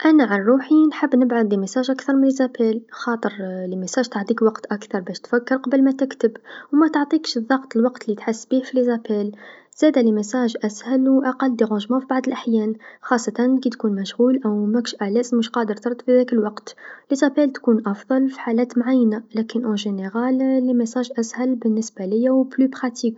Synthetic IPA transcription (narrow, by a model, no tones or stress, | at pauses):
ʔænaʕanɾˤuːħinħəbːnəbʕad̪lːimasæːʒʔakθɑɾˤmənlizæpælxɑːt̪ˤəɾlimæsæːʒt̪ɑʕt̪ˤiːkwɑqt̪ʔakθɑɾˤbæʃt̪fækːəɾˤqɑbəlmæt̪ɪkt̪əbwmæt̪əʕt̪ˤiːkʃðˤɑɣt̪ˤəlwɑqt̪lit̪ħəsːbihfilizæpæl | z̥æːd̪ælimɪsæʒʔæshælwʔaqɑlːd̪iɣʊ̃ʒmæfibaʕd̪ˤəlʔaħjæːnxɑsˤːɑt̪ɑnkit̪kunmæʃɣuːlʔæwmækʃʔælæzmʊʃqɑd̪əɾˤt̪ɑɾˤt̪ˤfiðækəlwɑqt̪lizæpælt̪kunʔɑfðˤɑlfi̥ħalæːt̪mʕajːnalækənʔæ̃ʒeneɣɑlːimæsæʒʔæshælbənːəsbalɪjːæwblybɾɑt̪ʰik